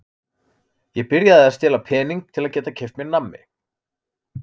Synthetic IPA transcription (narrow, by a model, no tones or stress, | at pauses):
jɛɣpɪɾjaðɪast̪ɛːlapʰɛːniŋk̚t̪ʰɪlaðcɛːt̪acʰejft̪mɛnːamːɪ̰